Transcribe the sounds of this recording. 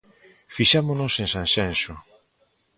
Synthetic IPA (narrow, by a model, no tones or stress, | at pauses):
fiʃamonosẽnsãnsensʊ